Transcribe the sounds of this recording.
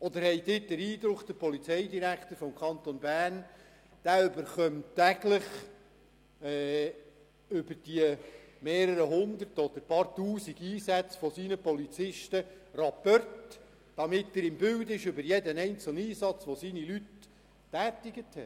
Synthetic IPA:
ɔd̪əɾhɛɪdɪːt̚d̪̥əɾiːd̪ɾʊkd̥̪əpɔlit͡sɛɪdiɾækt̪əɾfɔmkʰɑnt̪onbæːɾn | d̥æːʏbəɾχœmttːæɡləχ | ɛ | ʏbəɾd̥iəmeːɾəɾəɦʊnd̪əɾtɔd̥̪əɾpɑɾtuːsiɡ̥iːsæt͡sfɔsiːnəpɔlit͡sɪʃtərɑpːœrt | d̥ɑmɪtɪɾɪmbʏwd̪ɪʃʏbəɾjɛdənɛɪnt͡səl̩niːsɑt͡sʋɔsiːnilytː | æːt̪ɪɡəthɛ

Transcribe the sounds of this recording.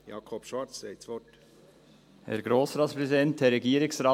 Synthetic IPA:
jɑ̰ːkʰɔpʃʋɑɾt͡ssɛɪtsʋɔt | hɛ̰ɾɡɾoːsɾɑːt̪spɾɛzidɛntɛɾːɛɡiːəɾɪksɾɑː

